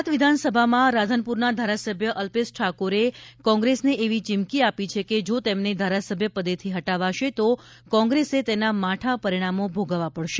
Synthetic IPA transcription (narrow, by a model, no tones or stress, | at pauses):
t̪ʋɪd̪ʱansəbʱamãɾad̪ʱənpuɾnad̪ʱaɾasəbʱjəʔəlpesʈʰakoɾekɔ̃ŋɡɾesneʔeʋit͡ʃɪmkiapit͡ʃʰeked͡ʒot̪emned̪ʱaɾasəbʱjəpəd̪et̪ʰiɦəʈaʋaʃet̪okɔ̃ŋɡɾeset̪enamaʈʰapəɾiɽ̃amobʱoɡʋapəɽʃe